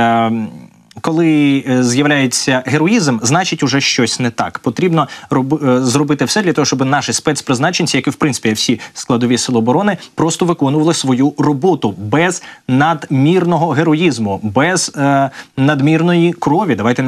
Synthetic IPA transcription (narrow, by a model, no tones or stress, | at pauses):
kɔlˠɪzjɐʋlʲajet͡sʲːɐɦeɾɔizmznɑt͡ʃɪtʲʊʒɛʃt͡ʃɔsʲnɛt̪ɑ̰kpɔt̪ɾʲibnɔrɔbzɾɔbɪt̪ɪwsɛd̪lʲɐt̪ɔɦɔʃt͡ʃɔbɪnɑʃɪspɛt̪spɾɪznɑt͡ʃenʲt͡sʲijɐkɪwpɾɪnɪ̥pʲiwsʲisklˠɐd̪ɔʋʲisɪlˠɔːbɔɾɔnɪpɾɔst̪ɔʋɪkɔnʊʋɐlˠɪsʋɔjurɔbɔt̪ʊbɛz̥nɐd̪mʲirnɔɦɔɦeɾɔjizmʊbɛz | nɐd̪mʲirnɔjikɾɔʋʲid̪ɐʋajt̪ɛ